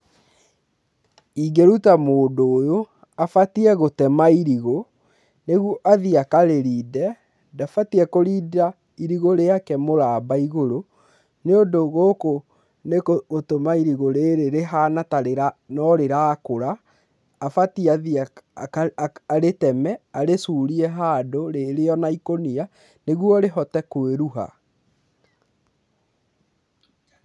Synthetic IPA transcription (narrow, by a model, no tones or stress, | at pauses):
iɡeɾutamoːndoːjo | afatiɛɣotɛmaiɾiɣo | neɣuʔaðiakaɾeɾiːdɛ | dafatiɛkoɾiːda | iɾiɣoɾeakɛmoɾaːbaiɣoɾo | neondoɣoko | nekoɣotomaiɾiɣoɾeɾeɾeɦanataɾeɾanɔɾeɾaːkoɾaː | fatiaðia | ɾetɛmɛaɾesuːɾiɛɦaːdoɾeɾeɔnaikonia | neɣwɔɾeɦɔtɛkoeɾuɦa̰